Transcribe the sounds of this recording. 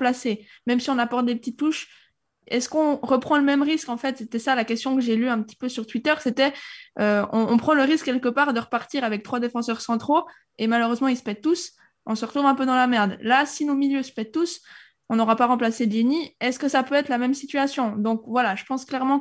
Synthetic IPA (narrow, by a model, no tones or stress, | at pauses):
plasemɛmsiɔ̃napɔʁt̪̚d̪epət̪it̪ːuʃ | ɛskɔ̃ʁəpχɑ̃ləmɛmʁiskɑ̃fɛt̪set̪ɛsalakʲɛst̪jɔ̃kəʒelyɛ̃pət̪i̥pøsyʁt̪wit̪œʁset̪ɛøɔ̃ɔ̃pχɑ̃ləʁiskːɛlkəpaːʁd̪əʁəpaʁt̪iʁavɛk̚t̪χwad̪efɑ̃sœʁsɑ̃t̪χo | emaløʁøzmɑ̃isə̥pɛt̪̚ːus | ɔ̃səʁət̪χuvɛ̃pød̪ɑ̃lamɛʁd̪lasinomiljøsə̥pɛt̪̚t̪ːus | ɔ̃nɔʁapaʁɑ̃plased̪eniɛskəsapøɛt̪χlamɛmsit̪ɥyasjɔ̃d̪ɔ̃kvwalaʒəpɑ̃sklɛʁmɑ̃